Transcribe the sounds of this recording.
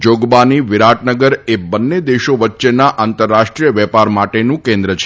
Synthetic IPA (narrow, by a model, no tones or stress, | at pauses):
d͡ʒoɡbaniʋɪɾaʈnəɡəɾebənːed̪eʃoʋətːʃenaʔant̪əɾːaʃʈɾijəʋɛpaɾmaʈenũkẽnd̪ɾət͡ʃʰe